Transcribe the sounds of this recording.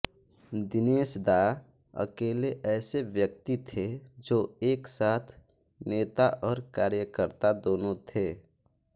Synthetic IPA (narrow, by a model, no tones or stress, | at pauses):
d̪ɪneːsd̪aː | ə̰keːleʔɛːseʋjək̚t̪it̪ʰed͡ʒoːeːksaːt̪ʰ | neːt̪aʔɔːɾkaːɾjəkəɾt̪ad̪oːnõt̪ʰeː